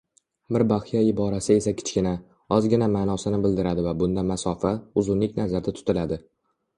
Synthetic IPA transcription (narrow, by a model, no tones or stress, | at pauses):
bɪɾbahɪjaɪbɒɾasɪe̞sakʲʰɪ̥t͡ʃkʲɪna | ɒzɡʲɪnamaːnɒsɪnɪbɪld̪ɪɾad̪ɪvabʊnd̪amasɒfaʊzʊnlɪkʲnazaɾd̪at̪ʰʊ̥t̪ʰɪlad̪ɪ